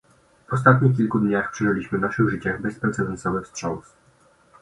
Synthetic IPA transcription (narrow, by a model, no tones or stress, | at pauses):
vɔs̬t̪at̪ɲik̬ʲilkud̪ɲaxpʂɛʐɘlʲiɕmɘvnaʂɘɣʐɘt͡ɕaɣbɛspɾɛt̪sɛd̪ɛnsɔvɛfstʂɔ̃ws